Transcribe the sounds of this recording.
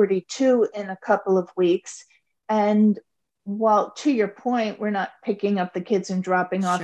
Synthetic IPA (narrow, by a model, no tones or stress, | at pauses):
ɾitʰʉɪ̃nɨkʰʌpl̩ˠʌvwiks | ɨ̃n | waɪlˠtʰɨjə˞pʰɔ̃ɪ̃nʔwɪɹnət̚pʰɪkɪ̃ŋʌp̚ðɨkʰɪdzɨ̃ndɹɑpɪ̃ŋɔ